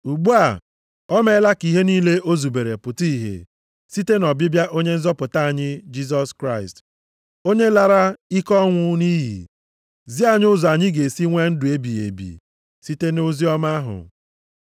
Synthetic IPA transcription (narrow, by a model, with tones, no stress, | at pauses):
u˨ɡ͡bu˦a˨ | ɔ˦me˦la˦ki˨ɦe˦niː˦le˦ʔo˦zu˨be˨ɾe˨pʊ˨ti˦˨ɦḛ˨ | si˦te˦nɔ˨bɪ˦bja˦ʔo˦ɲe˦n̩˦zɔ˦pʊ˨ta˦a˨ɲɪ˦d͡ʒi˦zɔ˦skɾa˦ɪ˨st | o˦ɲe˦la˦ɾa˦i˦kɔ˦ŋʷʊ˦ni˦ɦḭ˨ | zi˦a˨ɲ˦ʊ˦zɔ˨a˨ɲɪ˦ɡe˨si˦ŋʷe˦n̩˦dʊ˨e˦bi˨ḛ˨bḭ˨ | si˦te˦no˦zi˦ɔ˦ma˦ɦʊ̰˨